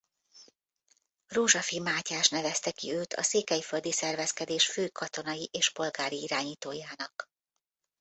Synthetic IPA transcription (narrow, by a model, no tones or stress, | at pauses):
roːʒɒfimaːcaːʃnɛvɛst̪ɛkiøːt̪ʰɒ̰seːkɛjfø̞ld̪isɛrvɛskɛd̪eːʃføːkʰɒt̪o̞nɒjiʔeːʃpo̞lɡaːɾiiɾaːɲiːt̪oːjaːnɒk